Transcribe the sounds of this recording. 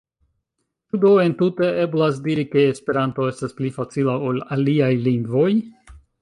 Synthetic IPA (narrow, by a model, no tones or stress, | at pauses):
t͡ʃudoe̞ntute̞e̞blasdiɾike̞ːspe̞ɾanto̞e̞stasplifat͡silaolaliajliŋɡvo̞j